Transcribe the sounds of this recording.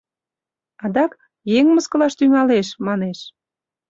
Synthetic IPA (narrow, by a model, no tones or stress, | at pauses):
ɑd̪ɑk | jeŋməskəlɑʃt̪yŋɑleʃmɑneʃ